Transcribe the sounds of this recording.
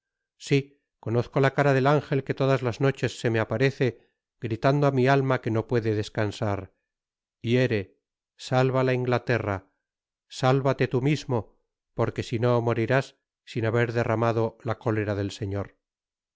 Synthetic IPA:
si | ko̞no̞θko̞lakaɾaðe̞laŋxe̞lke̞t̪o̞ðazlazno̞t͡ʃe̞sːe̞meapaɾe̞θe̞ | ɡɾit̪and̪oamialmake̞no̞pwe̞ðeðe̞skansaɾ | ie̞ɾe̞ | salβalaiŋɡlat̪e̞ra | salβat̪e̞t̪umizmo | po̞ɾke̞sino̞moɾiɾasː | inaβe̞ɾðe̞ramaðo̞lako̞le̞ɾaðe̞lse̞ɲo̞ɾ

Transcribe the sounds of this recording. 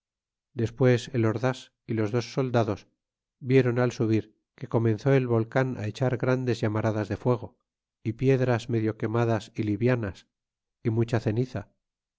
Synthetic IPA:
d̪e̞spwe̞se̞lo̞ɾðas | ilo̞zðo̞sːo̞ld̪aðo̞s | bje̞ɾo̞nalsuβiɾ | ke̞ko̞mẽ̞nθo̞e̞lβo̞lkana̰e̞t͡ʃaɾɣɾand̪e̞zjamaɾaðazðe̞fwe̞ɣ̞o̞ | ipje̞ðɾazme̞ðjo̞ke̞maðasiliβjanas | imut͡ʃaθe̞niθa

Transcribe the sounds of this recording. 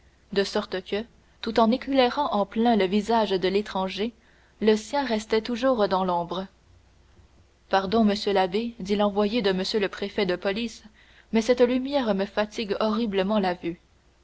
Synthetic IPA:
d̪əsɔʁt̪əkʲə | t̪ut̪ɑ̃neklɛʁɑ̃ʔɑ̃plɛ̃ləvizaʒd̪əlet̪χɑ̃ʒe | ləsjɛ̃ʁɛst̪ɛt̪uʒuːʁd̪ɑ̃lɔ̃bʁə | paʁd̪ɔ̃məsjølabed̪ilɑ̃vwajed̪əməsjøləpχefɛd̪əpɔlis | mɛsɛt̪lymjɛʁməfat̪ʰiɡɔʁibləmɑ̃lavy

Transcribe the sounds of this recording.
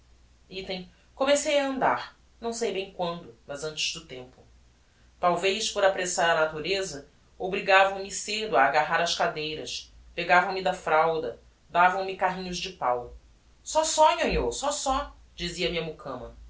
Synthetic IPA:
it̪ẽj̃ | komesejɐɐ̃nd̪a̰ɾ | nɐ̃w̃sejbẽj̃kwɐ̃nd̪ʊmɐzɐ̃t͡ʃɪzd̪ʊt̪ẽmpʊ̥ | t̪awvejspoɾapɾesaɾɐnat̪uɾezɐ | obɾiɡavɐ̃w̃mɪsed̪ʊaːɡaɦaɾɐʃkad̪ejɾɐs | peɡavɐ̃w̃mid̪ɐfɾawd̪ɐ | d̪avɐ̃w̃mikaɦĩɲʊzd͡ʒɪpaw | sɔsɔjoɲoɾsɔsɔ | d͡ʒiziɐmiɐmukʰɐ̃mɐ

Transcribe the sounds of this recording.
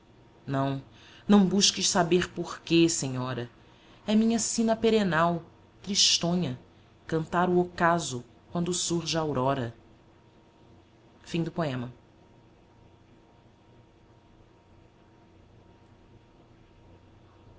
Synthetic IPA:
nɐ̃w̃ | nɐ̃w̃buʃkɪʃsabeɾpoɾkesẽɲɔɾɐ | ɛmĩɲɐsĩnɐpeɾenaw | t̪ɾiʃt̪õɲɐ | kɐ̃nt̪aɾʊokazʊ | kwɐ̃nd̪ʊsuɾʒɪawɾɔɾɐ | fĩd̪ʊpoẽmɐ

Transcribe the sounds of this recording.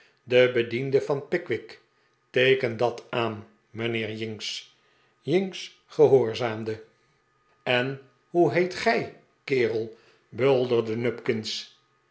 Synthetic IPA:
dəbədindəvɑnpɪkʋɪk | tejkəndɑtaːn | mənɪːɹjɪŋks | jɪŋks | χəɦoːɹzaːmdə | ɛn | ɦuɦejtχɛj | kɪːrəlˠ | bølˠdərdənɵpkɪns

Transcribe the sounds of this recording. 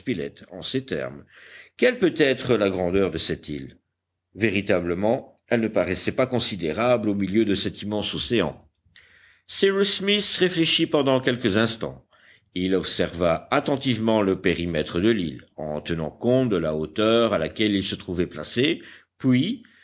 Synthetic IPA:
pilɛ̰t̪ɑ̰̃set̪ɛ̰ʁmkʲɛlpøt̪ɛt̪χəlaɡʁɑ̃d̪œʁd̪əsɛt̪il | veʁit̪abləmɑ̃ | ɛlnəpaʁɛsɛpakɔ̃sid̪eʁablomiljød̪əsɛt̪imɑ̃soseɑ̰̃ | siʁusmisʁefleʃipɑ̃d̪ɑ̃kʲɛlkəzɛ̃st̪ɑ̰̃ | ilɔpsɛʁvaːt̪ɑ̃t̪ivmɑ̃ləpeʁimɛt̪χəd̪əlḭlɑ̰̃t̪ənɑ̰̃kɔ̃t̪̚d̪əlaot̪œʁala̰kʲɛlilsət̪χuvɛpla̰sepɥi

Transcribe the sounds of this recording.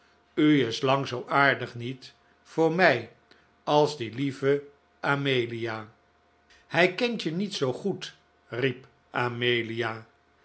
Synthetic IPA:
yɪslɑŋzowʔaːɹdəχnit | fʊːɹmɛj | ɑlˠzdilivə | ʔaːmejlijaː | hɛjkɛntjənitsowχut | rip | ʔamejlijaː

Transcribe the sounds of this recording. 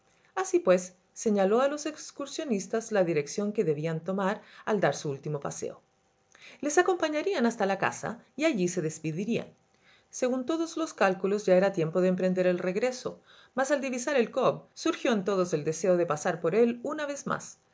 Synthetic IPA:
asipwe̞sː | e̞ɲalo̞alo̞se̞kskuɾsjo̞nist̪azlaðiɾe̞ksjo̞ŋkeðe̞βiant̪o̞maɾald̪aɾsuult̪imo̞pa̰sḛo | le̞sako̞mpaɲaɾianast̪alaka̰sa̰iaʝise̞ðespiðiɾia̰n | se̞ɣunt̪o̞ðozlo̞skalkulozʝaeɾat̪je̞mpoð̞eːmpɾe̞nd̪e̞ɾelreɣɾe̞so̞̰ | masald̪iβisaɾelkobsuɾxjo̞ent̪o̞ð̞oze̞ld̪ese̞oðepasaɾpo̞ɾe̞lunaβe̞zma̰s

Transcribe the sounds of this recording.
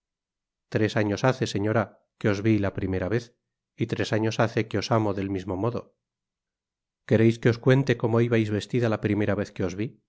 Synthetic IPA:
t̪ɾe̞saɲo̞saθe̞se̞ɲo̞ɾa | ke̞o̞zβilapɾime̞ɾaβe̞θ | it̪ɾe̞saɲo̞saθe̞ke̞o̞samo̞ðe̞lmizmo̞mo̞ðo̞̰ | ke̞ɾejske̞o̞skwe̞nt̪e̞ko̞mo̞iβajzβe̞st̪iðalapɾime̞ɾaβe̞θke̞o̞zβi

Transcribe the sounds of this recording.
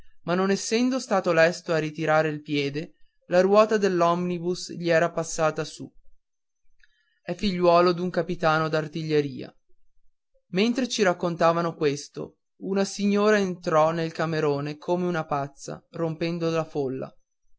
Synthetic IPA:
manːonɛsːɛnd̪ost̪aːt̪olɛst̪oarit̪iɾaːɾeilpjɛːd̪e | laɾwɔːt̪ad̪elːɔmnibusʎiɛːɾapasːaːt̪asu | ɛfːiʎːwɔːlod̪uŋkapit̪aːnod̪art̪iʎːeɾiːa̰ | ment̪ɾet͡ʃiɾakːont̪aːvanokwest̪o̰ | unasiɲːoːɾaent̪ɾɔnelkameɾoːnekʰoːmeunapat̪sːa̰rompɛnd̪olafolːa̰

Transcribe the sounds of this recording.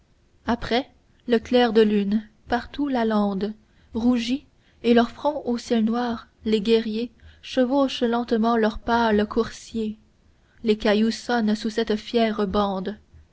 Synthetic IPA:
apχɛ | ləklɛːʁd̪əlyn | paʁt̪ulalɑ̃ːd̪ | ʁuʒi | elœʁfχɔ̃ʔosjɛlnwaːʁleɡʲɛʁjeʃəvoʃlɑ̃t̪mɑ̃lœʁpalkʰuʁsje | lekajusɔnsusɛt̪fjɛːʁəbɑ̃ːd̪

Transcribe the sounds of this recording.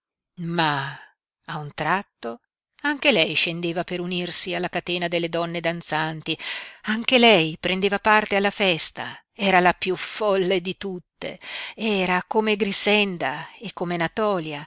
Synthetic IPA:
ma | aunt̪ɾat̪ːo | aŋk̟elɛjʃend̪eːvapeɾunirsialːakat̪eːnad̪elːed̪ɔnːed̪ant̪sant̪iaŋk̟elɛjpɾend̪eːvapart̪ealːafɛst̪a̰ | ɛːɾalapjufɔlːed̪it̪ut̪ːḛɛːɾakomeɡɾisɛnd̪aekːomenat̪ɔːlja

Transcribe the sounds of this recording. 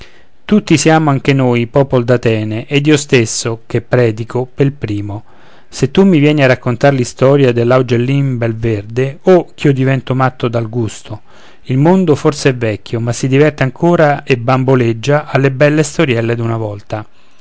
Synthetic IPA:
t̪ut̪ːisjaːmoaŋk̟enojpɔːpold̪at̪ɛːneʔːd̪ːiːost̪esːok̟epːɾɛːd̪ikopelpɾiːmo | set̪ːumːivjɛːniarːakːont̪aɾlist̪ɔːɾjad̪elːawd͡ʒelːimbelverd̪eok̟ːiod̪ivɛnt̪omat̪ːod̪alɡust̪ʰo | ilmond̪oforseɛvɛkʲːomasːid̪ivɛrt̪eaŋkʰoːɾaebːamboled͡ʒːaʔːlːebɛlːest̪oɾjɛlːed̪unavɔlt̪a

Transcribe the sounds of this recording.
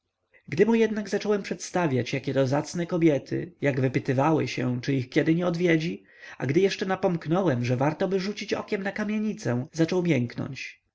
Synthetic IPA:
ɡd̪ɘmujɛd̪naɡzat͡ʂɔwɛmpʂɛt̪st̪avʲjat͡ɕjakʲɛt̪ɔzat̪snɛkɔbʲjɛt̪ʰɘ̰jaɡvɘpɘt̪ɘvawɘ̰ɕɛ̰t͡ʂɘixkʲjɛd̪ɘɲɛɔd̪vʲjɛd͡ʑi | a̰ɡd̪ɘjɛʂt͡ʂɛnapɔmknɔwɛmʐɛvaɾt̪ɔbɘʐut͡ɕit͡ɕɔ̰kʲɛmnakamʲjeɲit̪sɛ̃zat͡ʂɔwmʲjɛŋknɔ̰ɲt͡ɕ

